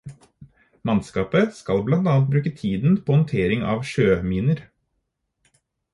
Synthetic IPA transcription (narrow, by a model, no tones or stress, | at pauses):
mɑnskɑːpəskɑlblɑnt̪ɑːɑnt̪̚bɾʉːkət̪ʰiːd̪n̩pʰoːhɔnt̪ʰeːɾɪŋɑ̰ːʋʃøːmiːnəɾ